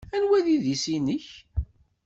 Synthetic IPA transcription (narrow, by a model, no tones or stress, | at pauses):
ænwæðiðisinəç